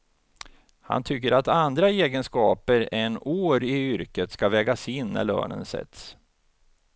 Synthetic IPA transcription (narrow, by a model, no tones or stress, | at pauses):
ha̰nt̪ʰʏkːəɾat̪and̪ɾaeːɡənskɑːpəɾɛnoːɾɪʏɾkət̪skavɛːɡasɪnːæ̰ɭø̰ːnə̰nsɛ̰t̪s